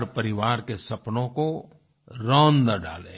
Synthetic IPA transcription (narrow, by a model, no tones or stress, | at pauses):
ɾpəɾɪʋaːɾkesɐpnõko | ɾɔ̃ːnnəɖa̰ːlḛː